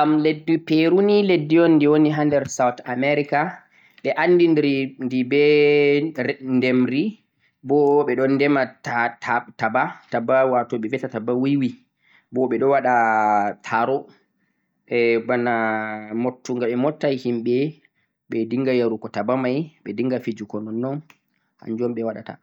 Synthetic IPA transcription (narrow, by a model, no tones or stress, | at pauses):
amledːipeɾuniledːijɔnːdiwoniɦandɛɾsawtamɛɾika | ɓɛʔanːdindiɾindibɛ | ndɛmɾi | bɔɓɛɗɔnːdɛmatatʰatabatabawatɔɓɛvɛtatabawiwi | bɔɓɛɗɔwaɗatʰaɾɔ | ɛbanamotːuŋɡaɓɛmɔtːajhimɓɛ | ɓɛdiŋɡajaɾukɔtabamajɓɛdiŋɡafid͡ʒukɔnɔnːɔn | ha̰ɲd͡ʒɔmɓɛwaɗa̰ta̰